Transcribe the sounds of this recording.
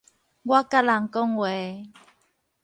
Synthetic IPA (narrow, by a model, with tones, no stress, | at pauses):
ɡwa˦ka˦la˨ŋkɔ˦ŋwɛ˨